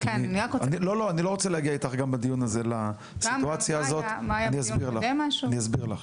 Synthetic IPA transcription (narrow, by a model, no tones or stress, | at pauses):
keniniʁakoanilo̞lo̞anilo̞ot͡selehaɡiait̪aχɡambad̪ijunaze̞la | siuat͡sjaːzotmajaniasbiʁlaemaʃuanijasbiʁlaχ